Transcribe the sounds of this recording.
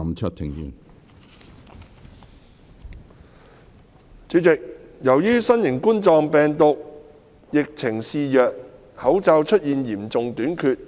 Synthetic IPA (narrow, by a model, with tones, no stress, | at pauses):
mt͡ʃʰɵ˥t̚t̪ʰɪ˨˧ŋji˧n | t͡syː˨˥t͡sɪ˨k̚jɐ˨˩wjyː˥sɐ˥njɪ˨˩ŋku˥nt͡sɔː˨˧ŋpɛː˨ŋt̪ʊ˨k̚ | jɪ˨k̚t͡sʰɪ˨˩ŋsiː˨jœː˨k̚ | hɐ˨˥wt͡saː˧wt͡ʃʰɵ˥t̚jiː˨njiː˨˩mt͡sʊ˨ŋt̪yː˨˥nkʰyː˧t̚